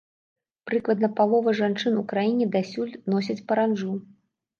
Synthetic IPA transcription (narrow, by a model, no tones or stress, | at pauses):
pɾɨklˠɐd̪nɐpalˠɔvɐʐant͡ʂɨnukɾajinʲɛd̪asʲulʲnɔs̬ʲɐt͡sʲpɐɾanʐu